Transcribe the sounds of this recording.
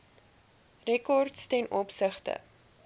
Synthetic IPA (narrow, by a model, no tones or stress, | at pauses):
rɛkɔrtstɛnʔɔpsəχtə̰